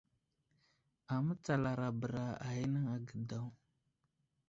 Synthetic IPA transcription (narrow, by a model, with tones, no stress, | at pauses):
a˨mə˦t͡sa˨la˨ɾa˨bə˨ɾa˨a̰˨ji˦nə˦ŋa˨ɡə˨da˨w